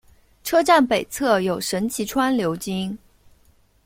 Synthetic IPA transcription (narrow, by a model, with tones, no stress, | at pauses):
ʈ͡ʂʰɤ˥ʈ͡ʂa˥˩npe˨˩ɪt͡sʰɤ˥˩jo˨˩ʊʂə˧˥nt͡ɕʰi˧˥ʈ͡ʂʰwa˥nljo˧˥ʊt͡ɕi˥ŋ